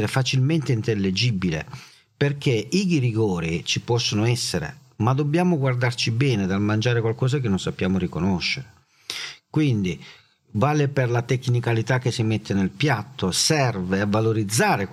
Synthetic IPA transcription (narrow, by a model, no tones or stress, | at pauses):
ɾefat͡ʃilment̪eint̪elːed͡ʒibilḛ | perk̟eiɡiriɡɔːɾit͡ʃipɔsːonoɛsːeɾḛ | mad̪obːjaːmoɡward̪art͡ʃibɛːned̪almand͡ʒaːɾekwalkɔːz̬akenːonsapːjaːmorikonoʃːeɾe | kwind̪i | vaːleperlat̪ekːnikalit̪akːesːimet̪ːenelpjat̪ːosɛrveavːaloɾid̪zːaːɾe